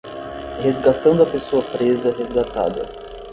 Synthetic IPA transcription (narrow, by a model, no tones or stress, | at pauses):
hezɡat̪ɐ̃nd̪ʊɐpesoɐpɾezɐɦezɡat̪a̰d̪ɐ̰